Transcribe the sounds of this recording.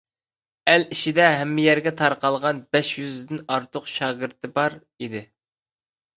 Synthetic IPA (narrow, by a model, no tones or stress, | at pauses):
æliʃid̪ɛɦɛmːɪjɛɾɡʲɛt̪ʰɑɾqɑlˠʁɑnbɛʃjyzd̪ɪnɑɾt̪ʰʊqʃɑːɡʲiɾt̪ʰɨbɑɾ | id̪ɪ